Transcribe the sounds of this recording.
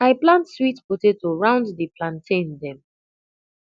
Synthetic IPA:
aɪplãntswitpotetoɹãʊ̃nddiplãntʰẽndɛ̃m

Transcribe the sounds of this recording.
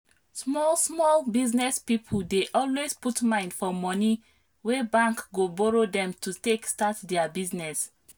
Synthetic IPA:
smɔlsmɔlbiznɛspipʰl̩deʔɔlwesputmãɪ̃ndfɔmɔni | wɛbãŋkɡobɔɹodɛ̃mtutekstatdɛabiznɛs

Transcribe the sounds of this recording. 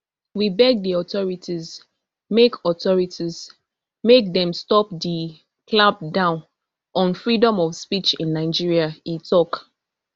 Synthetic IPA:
wibɛɡ̚diɔtɔɹitʰiz | mekɔtɔɹitʰiz | mek̚dɛ̃mstɔp̚di | klab̚dãʊ̃n | ɔ̃nfɹidɔ̃mɔfspit͡ʃĩnːaɪd͡ʒiɹiaitʰɔk

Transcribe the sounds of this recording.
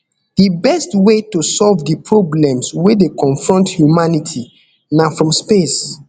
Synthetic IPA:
dibɛstwetosɔlvdipɹoblɛ̃mswedekɔ̃nfɹɔ̃nthjumanitʰi | nafɹɔ̃mspes

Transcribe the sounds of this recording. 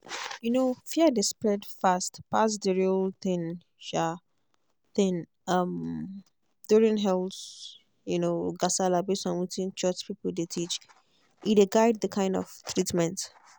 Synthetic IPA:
junofiədespɹɛdfastpas̬dəɹilθɪ̃ŋ | ʃa | ðɛ̃n | ʌm | d̥uɹĩnɦɛlˠs | junoɡasalabesãnwitĩnt͡ʃɜt͡ʃpipəl̩detʰit͡ʃ | ideɡaɪd̚ðəkʰãɪ̃ndɔ̰v̥t̪ɹitmɛ̃nt

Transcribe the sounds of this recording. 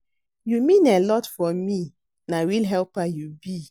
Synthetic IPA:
jumĩnelɔtfɔmi | nawilɦɛlpajubi

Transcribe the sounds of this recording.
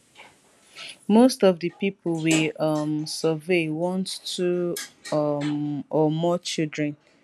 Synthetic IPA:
mostɔvdəpipolwiʌmsəvewɔ̃nttʰu | ɔmɔt͡ʃildɹɛ̃n

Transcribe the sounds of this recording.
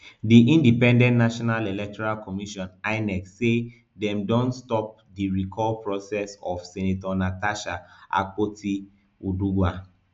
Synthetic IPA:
diʔĩndipɛ̃ndɛ̃ntnaʃɔnalilɛk̚tɔɹalkɔmiʃɔ̃naɪnɛkse | dɛ̃mdɔ̃ntstɔp̚diɹikʰɔlpɹɔsɛsɔfsɛnetɔnataʃaʔa̰kotʰi | uduɡwa

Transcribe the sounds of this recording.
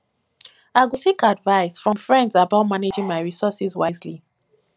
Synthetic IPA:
aɪɡusikadvaɪsfɹɔ̃mfɹɛ̃ndzabaʊtmaned͡ʒĩŋmaɪɹisɔsizwazli

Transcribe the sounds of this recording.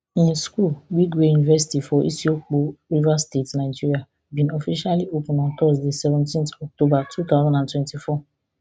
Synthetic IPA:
ĩnskulwikwejunivɛsi̥tifɔʔḭsiok͡poɾivastetnaɪd͡ʒiɾia | bĩnɔfiʃaliopũnɔ̃tɔsdisɛvɛ̃ntĩntɔk̚tobatʰut̪azãndãntwɛ̃ntifɔ

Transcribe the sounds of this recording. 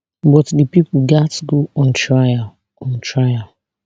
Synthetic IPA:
bɔtdipipʊɡatɡoɔ̃ntɹaja | ɔ̃ntʰɹaja

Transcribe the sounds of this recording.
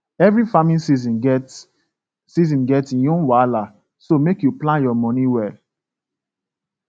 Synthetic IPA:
ɛvɹifamĩnsizĩnt | sizɔ̃nɡɛtsĩjɔ̃nwala | somekjuplãnjɔmɔ̃niwɛl

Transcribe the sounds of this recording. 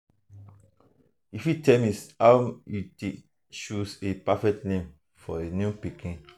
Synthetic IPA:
ifjutʰɛmisawjute | ʃusepafɛk̚tnẽm | fɔenjũpikʰĩn

